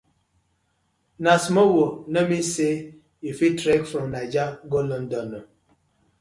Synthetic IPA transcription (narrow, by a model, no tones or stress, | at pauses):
nasmowonəmise | ifitɾɛkfɾɔ̃mnad͡ʒaɡolɔndɔnɔ